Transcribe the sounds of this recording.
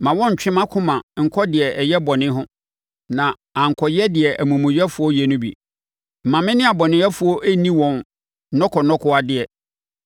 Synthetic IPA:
mã˨wɔ̃˦ɲ̩˨t͡ɕᶣɪ̃˦mã˦kʰʊ̃˦mã˨ŋ̩˨kʰɔ˦dɪ˨ɛ˨ʔɛ˨jɛ˦bɔ˨nɪ̃˦ɦʊ̃˦ | nã˨ | ã˨ŋ̩˨kʰɔ˨jɛ˦dɪ˨ɛ˨ʔæ˨mũ˨mʊ̃˨jɛ˦fʊ˦ɔ˦jɛ˨nʊ̃˦bḭ˨ | m̩˨mã˨mɪ̃˦nɪ̃˦a˨bɔ˨nɪ̃˨˦ɛ˦fʊ˨˦ɔ˦ʔæ˦nĩ˦wɔ̃˨n˦ | nɔ̃˦kʰɔ˨nɔ̃˦kʰɔ˦a˨dɪ˦ɛ˨

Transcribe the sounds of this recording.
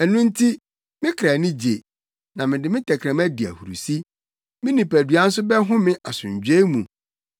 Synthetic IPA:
ɛ˨nʊ̃˦n̩˦tʰi˦ | mɪ̃˦kʰɾa˨nɪ̃˦d͡ʑe˨ | nã˨mɪ̃˨dɪ˦mɪ̃˦tʰɛ˨kʰɾɛ̃˨mæ˦di˨æ̰˨hu˨ɾu˨si˦ | mɪ̃˦nĩ˨pæ˨dɥa˦n̩˦s̬ʊ˦bɛ˦ɦʊ̃˦mɪ̃˦ʔa˨sʊ̃˨ɲ˨d͡ʑᶣe˦mũ˨

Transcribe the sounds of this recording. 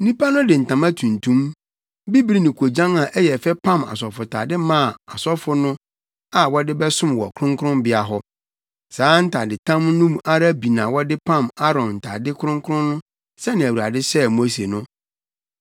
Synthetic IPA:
nĩ˦pa˦nʊ̃˦dɪ˨n̩˨tʰã˨mã˦tʰũ˨ntʰũ˦m | bi˦bi˦ɾi˦nĩ˨kʰo˨d͡ʑã˦nã˨ʔɛ˦jɛ˨fɛ˦pʰã˦˨ma̰˨sɔ˨fʊ˨tʰa̰˨dɪ˦mã˦˨a˨sɔ˦fʊ˦nʊ̃˦ | a˨wɔ˦dɪ˦bɛ˦sʊ̃˦mwɔ̰˨kʰʊ˦ɾʊ̃˦ŋkʰʊ˦ɾʊ̃˦mbɪ˦a˨ɦɔ˦ | saː˨˦n̩˦tʰa˨dɪ˨tʰã˦mnũ˦m˦a˦ɾa˦bi˨nã˨wɔ˦dɪ˦pʰã˦˨ma˦ɾɔ̃˨mn̩˨tʰa̰˨dɪ˦kʰʊ˦ɾʊ̃˦ŋkʰʊ˦ɾʊ̃˦nːʊ̃˦ | sɛ˦nɪ̃˨æ˨wu˨ɾa̰˨dɪ˦sɛ˦mo˦se˨nʊ̃˦

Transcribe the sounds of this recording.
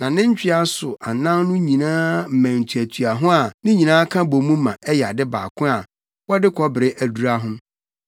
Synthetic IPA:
nã˨nɪ̃˦ɲ˦t͡ɕᶣɪ˦a˦sʊ˨ʔa˨nã˦nnʊ̃˦ɲĩ˨nãː˦m̩˨mæ̃˨n̩˨tʰu˨æ˨tʰu˨a˨ɦʊ̃˦a˨nɪ̃˦ɲĩ˨nãː˦kʰã˦bo˨mũ˦mã˨ʔɛ˦ja˨dɪ˦ba̰ː˨kʰʊ̃˦a˨ | wɔ˦dɪ˦kʰɔ˦bɪ˨ɾɪ˦ʔæ˨du˨ɾa˦ɦʊ̃˦m

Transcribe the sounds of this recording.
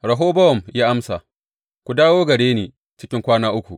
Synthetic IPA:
ɽɐ˨ɦoː˦bɐ˦wɔ˨mjaː˦ʔa˦msa˨ | kʷu˨daː˦woː˦ɡɐ˨ɽeː˦neː˨ | t͡ʃɪ˦kʲɪ˦ŋkʷaː˦naː˦ʔʊ˦kʷu˨ʔ

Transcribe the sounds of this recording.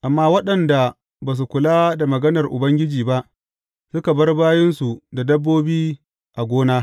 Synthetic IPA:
ʔa˨mːaː˦wɐ˦ɗɐ˨nda˨ | baː˨s̬u˨kʷʊ˨laː˦da˨mɐ˨ɡɐ˦nɐ˨rʔʊ̰˨bɐ˦ŋɡʲɪ˦d͡ʒiː˨ba˦ʔ | sʊ˦ka˨bɐ˦rbaː˦jɪ˦nsu˨da˨dɐ˦bːoː˦biː˦ | ʔa˨ɡʷoː˦naː˦

